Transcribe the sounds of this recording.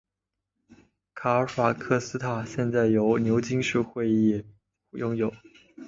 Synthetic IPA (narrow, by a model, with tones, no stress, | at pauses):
kʰa˨˩˥fwa˨˩kʰɤ˥sɹ̩˥t̪ʰa˥˩ɕjɛ˥˧nt͡sa˥˩ɪjo˧˥ʊnjo˧˥ʊt͡ɕi˥ŋʂ̩˥˧xwe˥˧ɪi˥˩ | jʊ˥˧ŋjo˨˩˦ʊ